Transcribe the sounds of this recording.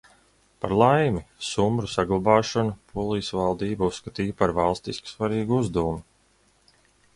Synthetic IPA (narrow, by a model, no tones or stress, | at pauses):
pa̰ɾlˠajmisumbɾusaɡlˠabɑːʃɔnupʰuɔlˠiːsvalˠd̪iːbauskat̪iːjpaɾvalˠst̪isku̥svaɾiːɡuuzd̪awumi